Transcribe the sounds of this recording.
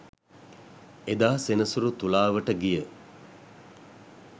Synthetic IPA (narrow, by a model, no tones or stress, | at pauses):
ed̪aːsenəsuɾut̪ulaːʋəʈəɡijə